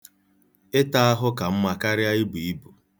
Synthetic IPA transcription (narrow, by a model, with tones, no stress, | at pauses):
ɪ˦ta˦a˦ɦʊ˦ka˨m̩˦ma˨ka˦ɾɪ˦a˦i˦bu˨i˦bʊ˨